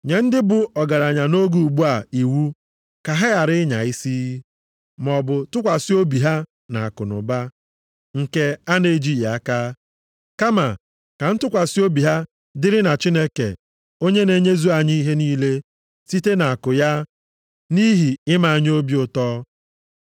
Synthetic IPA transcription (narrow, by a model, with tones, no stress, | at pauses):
ɲe˨n̩˦dɪ˦bʊ˨ɔ˨ɡa˨ɾa˨ɲa˨no˦ɡu˨ɡ͡bu˦a˨i˨wu˦ | ka˨ɦa˦a˨ɾɪ˦ɲa̰˨i˦si˦ | mɔ˨bʊ˨tʊ˦kʷa˨si˦o˦bi˨ɦa˦ | na̰˨a˨kʊ˨nʊ̰˨ba˦ | ŋ̩˨ke˦a˦ne˨d͡ʒi˦˨ja˦ka˦ | ka˦ma˨ | ka˨n̩˦tʊ˦kʷa˨si˦o˦bi˨ɦa˦ | dɪ˦ɾɪ˦na˨t͡ʃi˦ne˦kḛ˨ | o˦ɲe˦ne˦ɲe˦zu˦a˨ɲi˦i˦ɦe˦niː˦le˦ | si˦te˦na˨a˨kʊ˨ja˦ | ni˦ɦi˨ɪ˦ma˨a˨ɲ˦o˦bi˦ʊ˨tɔː˦